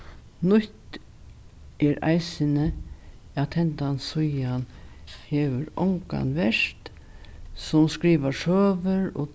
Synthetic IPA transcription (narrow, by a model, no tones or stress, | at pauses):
nʊht̪ | ɛɾa̰jsɪnə | at̪ʰɛnt̪ansʊjanheːʋʏɾɔŋka̰nʋɛʂt̪ | sʊmskɾiːʋasøːʋəɾɔ̰